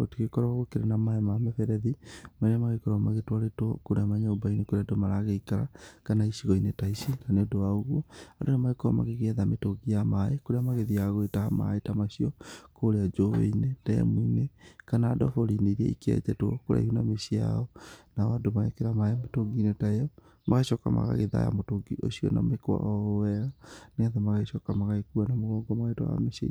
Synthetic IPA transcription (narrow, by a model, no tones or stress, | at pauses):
otiɣekɔɾɔaɣokeɾenamaɛmamefɛɾɛðimaneamaɣekɔɾɔmaɣetwaɾetɔkoɾeamaɲaobainekoɾeadomaɾaɣeikaɾa̰kanaisiɣɔinetaisinaneodowaoɣwɔadonamaɣekɔɾɔ̰ma̰ɣeɣeðametoɡiamaekoɾeamaɣeðiaɣwetaama̰etamasiɔkoɾead͡ʒowḛined̥ɛ̰muinekanaːdɔfɔɾineiɾɛ̰ḭkɛ̰d͡ʒɛtoɔkoɾa̰ihunamesia̰ɔnaɔadomaɣekeɾamaemetoɡinetaejɔ | maɣeɕɔːka̰ma̰ɣa̰ɣeða̰ja̰motoɡiʔo̰siɔ̰na̰mekwa̰ʔɔwɛɣaneaðɛmaɣeɕɔkamaɣaɣekuanamoɣɔːŋɡɔmaɣaetɔ̰a̰meʃḛ